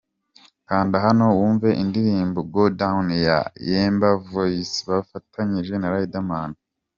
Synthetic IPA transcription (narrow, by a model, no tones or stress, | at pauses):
kaːndaɦano̞wuːɱveʔindiɾiːmboɡodaunija̰jeːmbavojisi̥βafatʰaɲiʒe̞naɾaidamaːnda